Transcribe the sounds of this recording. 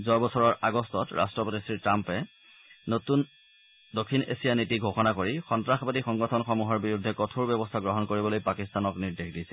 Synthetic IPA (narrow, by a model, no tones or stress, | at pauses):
zɔjbɔsʰɔɹɔɹʔaɡɔstɔtɹʔa̰stɹɔpɔtisɹitɹampɛ | notun | dokʰːinḛsijanitiɡʱoxɔnakoɹixɔntɹaxbadixɔŋɡɔtʰɔnxɔmuɦɔɹbiɹudʱːɛkɔtʰuɹbjɛbɔstʰaɡɹɔɦɔnkoɹibɔlojpakistanɔkniɹdexdisɛ̥